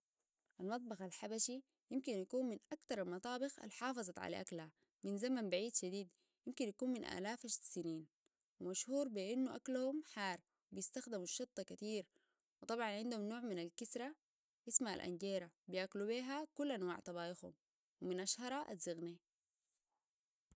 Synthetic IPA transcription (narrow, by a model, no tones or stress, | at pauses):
ʔalmɑt̪̚ˤbɑxalħabaʃi | jɪmkinjakuːnminʔakt̪ɑɾˤalmɑt̪ˤɑːbɪxa̰lħɑːfɑzˤɑt̪ʕa̰la̰ʔa̰klha | minzamanbaʕiːd̪ʃad̪iːd̪ | jɪmkinjakuːnminʔa̰ːlaːfaʃsiniːn | wimaʃhuːɾbiʔinːuʔaklhumħɑːɾˤ | wbijist̪axd̪imuʃːɑt̪ˤːɑkat̪iːɾ | wɪt̪ˤɑbʕɑnʕɪnd̪humnoːʕminalkisɾˤa | ʔismaa̰lʔa̰nɟeːɾabijaklubiːɦakulːʔanwa̰ːʕt̪ˤɑbɑːʔɪxhṵm | wiminʔɑʃhɑɾˤɑʔa̰zːiɣni